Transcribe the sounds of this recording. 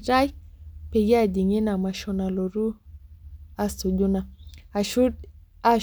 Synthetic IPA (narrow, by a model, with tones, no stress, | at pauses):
ɾa˦jpe˨je˦a˨d͡ʒi˨ŋe˦na˨ma˨ʃɔ˦na˨lo˨ɾu˦ | a˦su˨d͡ʒu˦na˨˦ | a˦